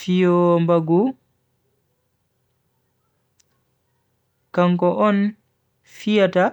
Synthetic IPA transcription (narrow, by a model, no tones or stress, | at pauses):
fijɔmbaɡu | kaŋkɔʔɔn | fijata